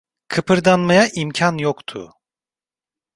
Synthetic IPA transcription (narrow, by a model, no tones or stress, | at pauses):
kʰɯpɯɾd̪anmajaʔimcʰanjokt̪ʰʊ̰